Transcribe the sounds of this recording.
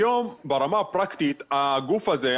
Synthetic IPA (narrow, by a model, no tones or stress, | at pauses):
jombeʁamapʁakt̪it̪aɡufaze